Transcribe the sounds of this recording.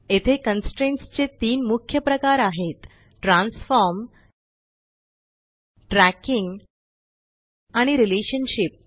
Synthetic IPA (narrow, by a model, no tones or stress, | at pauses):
et̪ʰekənsʈɾẽɳʈst͡ɕet̪iːnmukʰjəpɾəkaɾaɦet̪ | ʈɾãnsfɔɾm | ʈɾækiŋɡ | aɽ̃iɾileɕənɕip̚